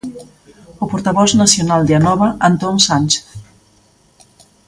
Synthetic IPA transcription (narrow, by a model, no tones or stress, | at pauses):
opoɾt̪aβɔznasjonald̪eanɔβɐʔant̪onsanʲt͡ʃe̥θ